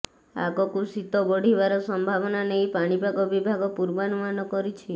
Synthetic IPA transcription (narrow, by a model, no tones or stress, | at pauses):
a̰kɔkusit̪ɔbɔɽ̤ibaɾɔsɔmbʱabɔnanejpaɽ̃ibʱaɡɔbibʱaɡɔpuɾbanumanɔkɔɾit͡ʃʰi